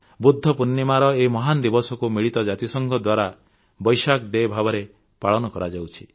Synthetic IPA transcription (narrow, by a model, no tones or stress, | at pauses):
bud̪ʱːɔpunːimaɾɔemɔɦand̪ibɔsɔkumiɭit̪ɔd͡ʒat̪isɔŋɡʱɔd̪waɾa | bɔjsakd̪eːbʱabɔɾe | paɭɔnɔkɔɾad͡ʒawt͡ʃʰi̥